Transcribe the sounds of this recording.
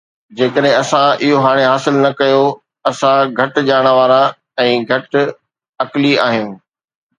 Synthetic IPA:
d͡ʑeːkəɗɦẽɐsãɪɦoɦaːɽ̃eɦaːsɪlnɐkɐjo | ɐsãɡʱɐʈ̆ʄaːɽ̃ʋaːɾa | ɛ̃ːɡʱɐʈ | ɐklia̰ːɦɪjũː

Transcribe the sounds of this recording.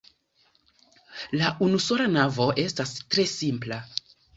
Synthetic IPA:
laʔunuso̞ɾanavo̞ʔe̞stastɾe̞simpla

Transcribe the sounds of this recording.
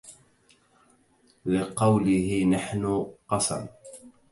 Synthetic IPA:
lɪqɑwlɪɦɪnaħnʊqɑsɑ̰n

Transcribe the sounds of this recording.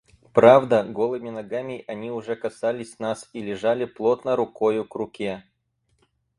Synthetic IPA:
pɾavd̪əɡo̞lˠɨmʲɪnɐɡamʲɪʔɐnʲiʊʐɛkɐsalʲɪsʲnasilʲɪʐalʲɪplˠo̞t̪nəɾʊkojʊkrʊkʲe

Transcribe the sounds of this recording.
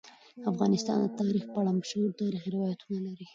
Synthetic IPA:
afɣɑnɪst̪ɑ̰nd̪ət̪ɑɾixpəaɽaməʃault̪ɑɾixiɾɪwɑjat̪unalaɾi

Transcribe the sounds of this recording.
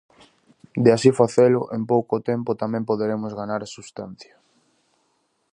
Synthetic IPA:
d̪easifaθelʊʔempowkot̪empʊt̪amɛ̃mpoðeɾemʊzɣanaɾasust̪an̟θjɐ

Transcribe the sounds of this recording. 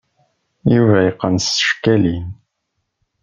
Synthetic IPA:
juvæjəqːənsə̥ʃkælin

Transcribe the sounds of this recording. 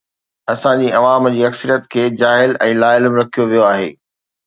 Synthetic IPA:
ɐsãd͡ʑiːɐʋaːmd͡ʑiːɐksəɾijət̪kʰeːd͡ʑaːɦɪlɛ̃ːlaːɪlmɾɐkʰijoʋijoaːɦḛː

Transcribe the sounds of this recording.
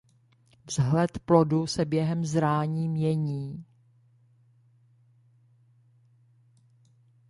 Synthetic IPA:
vzɦlɛt̪plo̞dusɛbjɛɦɛmzɾaːɲiːmɲɛɲiː

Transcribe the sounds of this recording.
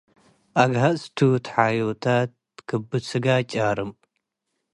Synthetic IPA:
ʔaɡɦast̪ʰut̪ħajot̪ʰat̪̚ | kʰɨbːɨd̪sɨɡat͡ʃʼaɾɨm

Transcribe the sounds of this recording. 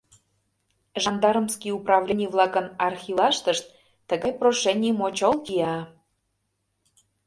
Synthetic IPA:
ʒɑnd̪ɑɾəmskijuprɑvlʲenʲivlˠɑkənɑrxʲilɑʃt̪əʃt̪̚ː | ə̆ɣɑjproʃenʲijmot͡ɕolˠkiɑ

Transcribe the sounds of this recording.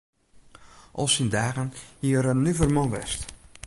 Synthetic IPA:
ʔɔlˠsindaːɣənhiəɾənːyvərmɔnʋɛ̰st

